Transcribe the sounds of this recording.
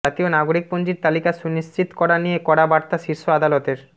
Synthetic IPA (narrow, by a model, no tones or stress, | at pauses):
at̪ionaɡoɾik̚pond͡ʑiɾt̪alikaʃuniʃt͡ɕit̪kɔɾanijekɔɽabaɾt̪aʃiɾʃoad̪alɔt̪eɾ